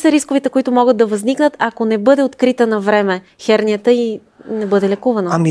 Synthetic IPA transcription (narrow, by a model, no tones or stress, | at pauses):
səɾiskovit̪ɛkoit̪ʊmɔɡəd̪̚d̪ɐvɐzniknət̪akonɛbɤd̪ɛot̪kɾit̪ənɐvɾɛmɛ | xɛɾnʲiət̪əi | nɛbɤd̪ɛlɛkuvɐnəmi